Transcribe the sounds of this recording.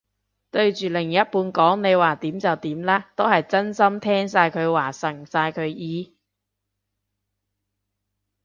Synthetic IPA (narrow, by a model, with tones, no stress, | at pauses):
t̪ɵ˧ɥt͡ʃyː˨lɪ˨˩ŋjɐ˥t̚puː˨˧nkɔː˨˥ŋne˨˧jwaː˨˩t̪iː˨˥mt͡sɐ˨wt̪iː˨˥mlaː˥t̪o˥hɐ˨jt͡sɐ˥nsɐ˥mt̪ʰɛː˥ŋsaː˧jkʰɵ˨˧ɥwaː˨˩sɐ˨˩ŋsaː˧jkʰɵ˨˧ɥjiː˨˧